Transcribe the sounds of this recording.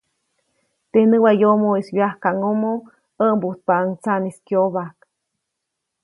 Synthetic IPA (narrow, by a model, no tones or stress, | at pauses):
t̪enəwajomoiswjahkaʔŋomo | əʔmbut̪̚paaŋt͡saniskjoβak